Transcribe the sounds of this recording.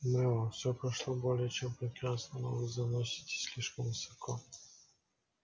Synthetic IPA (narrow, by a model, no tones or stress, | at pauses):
mɛɔfsʲɔpɾɐʂlˠɔbolʲɪjət͡ɕɛmpɾʲɪkɾanst̪vɐnɔ̰vɨzɐnɔsʲɪ̥tʲɪ̥sʲlʲiʂkəmvɨsɐkʰɔ